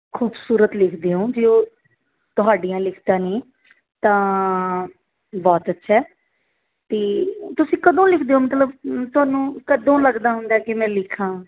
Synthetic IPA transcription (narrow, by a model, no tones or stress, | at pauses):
kʰuːbsuːɾət̪lɪkʰd̪eːõːd͡ʒeːoː | t̪ʊɦaːɖijãːlɪkʰd̪aːnĩː | t̪ãː | bɔːt̪ətːʃʰɛː | t̪eːt̪ʊsĩːkəd̪õːlɪkʰd̪eːoːmət̪ləbt̪ʊaːnũːkəd̪õːləɡd̪aːɦʊnd̪aːkɪmɛ̃ːlɪkʰːãː